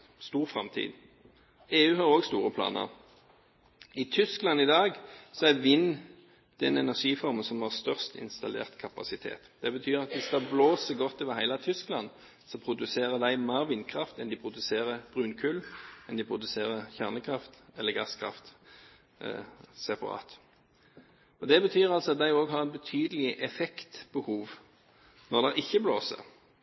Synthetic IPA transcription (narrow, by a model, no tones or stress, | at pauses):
st̪uːʁfʁɑmt̪ʰḭːd̪ | eːʉːhɑʁoːɡst̪uːʁəpʰlɑ̰ːnə̰ʁ | ɪt̪ʰʏsklɑnːɪd̪ɑːɡsɔæʋɪn | d̪̥ɛnɛnæʁʂiːfɔɾmənsɔmhɑʁst̪œʁst̪ɪ̰nst̪ɑlḛːʁt̪kʰɑpɑsɪt̪ʰḛːt̪d̪̥ɛbət̪ʰyːʁɑt̪ʋɪsd̪ɑbloːsəɡɔt̪ːɔʋɑhæɪlɑt̪ʰʏsklɑ̰n | sɔpʰʁʊd̪ʉseːʁəd̪æɪmeːʁʋɪnkʰʁɑft̪ɛnd̪ɪpʰʁʊd̪ʉseːʁəb̥ʁʉːnkʰʉlɛnd̪ɪpʰʁʊd̪ʉseːʁəçæʁnəkʰʁɑft̪ɛlːəɡɑskʰʁɑ̰ft̪ | sɛpɑ̰ʁɑ̰ːt̪ | ɔd̪ɛbət̪ʰyːʁɑlsɔɑt̪̚d̪æɪoːɡɦɑʁɛt̪̚bət̪ʰyːd̪əlɪʔɛfɛkt̪bəhuːʋ | nɔʁd̪ɛʔɪçːəbloːsə̰ʁ